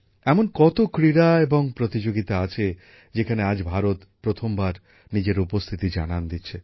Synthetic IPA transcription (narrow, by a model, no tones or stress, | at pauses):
ɛmonkɔt̪okɾiɾaeboŋpɾot̪id͡ʑoɡit̪aat͡ɕʰe | d͡ʑekʰanead͡ʑbʱaɾot̪pɾot̪ʰombaɾ | nid͡ʑeɾupost̪ʰit̪id͡ʑa̰nand̪itːɕʰe